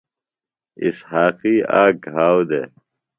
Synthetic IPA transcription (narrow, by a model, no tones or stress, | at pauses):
ḭshaːqiːaːɡ̚ʱɦaːwd̪ḛː